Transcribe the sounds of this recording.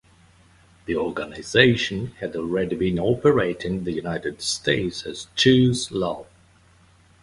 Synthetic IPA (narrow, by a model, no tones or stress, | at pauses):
ðiɔɡənazeɪʃə̃nhɨdɔlˠɹɛdibĩnɔpəɹeɪtɪ̃ŋðɨjʉnaɪɾɨd̥stʰeɪtsɨz̥t͡ʃʰʉzlʌ